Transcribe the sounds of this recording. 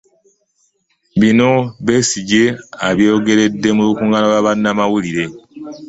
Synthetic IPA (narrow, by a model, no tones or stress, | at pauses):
βino̞βe̞ːsiɟe̞aβjo̞ːɡe̞ɾe̞dːe̞muβukuŋɡanalaβanːamawuliɾe̞